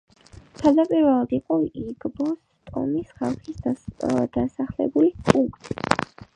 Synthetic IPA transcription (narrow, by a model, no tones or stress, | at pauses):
t̪ʰad̪apʼiɾvɛlˠad̪iqʼɔiɡbɔs | t̪ʼɔ̰misχa̰lˠχis | d̪̥asaχlɛ̰bulipʼukʼt̪ʼi̥